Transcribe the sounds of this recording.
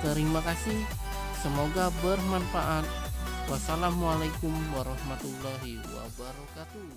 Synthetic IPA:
t̪əɾimakasih | səmoɡabərmanfaʔat̪̚wasalamualajkumwaɾɔhmat̪ulːaɦiwa̰baɾɔkat̪u

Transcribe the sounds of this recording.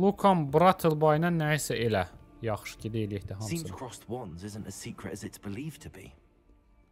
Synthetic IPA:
lˠukʰɑnbɾɑt̪ʰəlˠbɑjnɑnːæisæʔelæ | jɑχʃcilieliɛçd̪æɦɑsĩːsmz̥kʰɹ̥ɒswʌ̃nzɪzə̃ntəz̥siˑkʰɹɪ̰təzɪtsb̥ɪliːv̥tʰəbḭ

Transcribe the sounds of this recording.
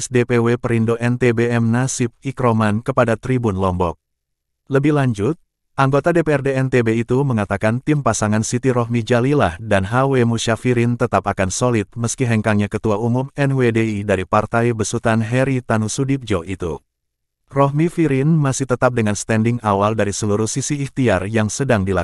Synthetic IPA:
ɛsdepewepəɾindoʔɛnt̪ebeɛmnasɪp̚ikɾomankəpadat̪ɾibunlɔmbɔk̚ | ləbɪhlaɲd͡ʒʊt̪̚ | ʔaŋɡot̪adepeɛrdeɛnt̪ebeit̪uməŋat̪akant̪impasaŋansit̪iɾɔɦmid͡ʒalilahdanɦawemuʃafiɾɪnt̪ət̪apakansolɪt̪̚məskiɦɛŋkaŋɲakət̪uaumumɛnwedeidaɾipart̪ajbəsut̪anɦɛɾit̪anusudip̚d͡ʒoʔit̪ṵ | rɔhmifiɾɪnmasɪht̪ət̪ap̚dəŋanst̪ɛndɪŋawaldaɾisəluɾuhsisiːht̪iarjaŋsədaŋdila

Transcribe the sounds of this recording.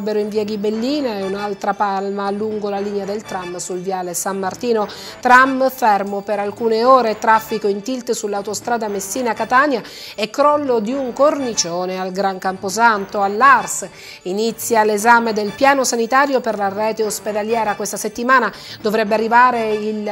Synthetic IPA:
bːeɾoiɱviːaɡibelːiːnaeunalt̪ɾapalmaluŋɡolaliːnead̪elt̪ɾamːsulvjaːlesamːart̪iːnot̪ɾamfɛrmopeɾalkuːneɔːɾet̪ɾafːikoint̪ilt̪sulːawt̪ost̪ɾaːd̪amesːiːnakat̪aːnja | ekːɾɔlːod̪iuŋkornit͡ʃoːnealɡɾaŋkampos̬ant̪oalːars | init̪sːjalezaːmed̪elpjaːnosanit̪aːɾjoperlarɛːt̪eosped̪aljɛːɾakwest̪aset̪ːimaːna | d̪ovɾɛbːearːivaːɾeil

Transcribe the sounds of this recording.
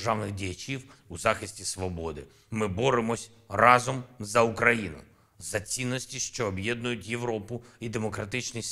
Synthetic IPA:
ʒɑwnɪxdʲijɐt͡ʃʲiwuzɑxɪsʲtʲisʋɔbɔd̪ɪ̰ | mɪbɔɾɪmɔsʲ | rɑzɔmzɐukɾɐjinʊ̰ | zɐt͡sʲinːɔsʲtʲiʃt͡ʃɔːbjɛd̪nʊjʊtʲje̞ʋɾɔpʊ | id̪e̞mɔkɾɐt̪ɪt͡ʃnɪj

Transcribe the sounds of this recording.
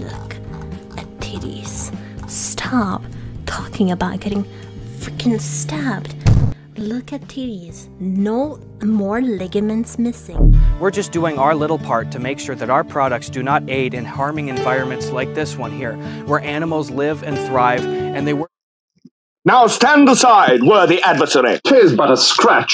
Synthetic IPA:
lʊ̰kɨtʰɪɾḭz̥ | stʰɑptʰɔkɪ̃ŋɨbaʊt̚ɡ̥ɛɾɪ̃ŋ | fɹɪkɨ̃nstæpt | lʊkɨtʰɪɾiz̥ | noʊ | mɔɹlɪɡɨmɨ̃ntsmɪsɪ̰̃ŋwɪɹd͡ʒʌsd̥uɪ̃ŋaʊə˞lɪɾl̩ˠpʰɑɹtʰɨmeɪkʃʊɹðɨɾaʊə˞pʰɹ̥ɑɾək̚tsd̥ɨnəɾeɪɾɨ̃nhɑɹmɪ̃ŋɨ̃ɱvaɪɹɨ̃nmɨ̃ntslaɪk̚ðɪswʌ̃nɦiɹwə˞ʔæñəml̩ˠzlɪvɨ̃nθɹaɪvɨ̃nðeɪw | naʊstæ̃nəsaɪd̚wə˞ðiʔædvəsɛɹḭtʰɪzbʌɾəskɹæt͡ʃ

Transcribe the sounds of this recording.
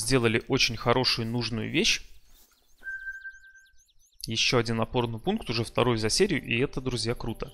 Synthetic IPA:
zʲdʲe̞lˠəlʲɪʔo̞t͡ɕɪnʲxɐɾo̞ʂʊjʊnuʐnʊjʊ̰vʲeɕ | jɪɕːo̞ɐdʲinɐpo̞rnɨjpunkt̪ʊʐɛft̪ɐɾo̞jʊzɐsʲeɾʲɪjʊʔɪɛt̪əd̪ɾʊzʲjakɾut̪ə

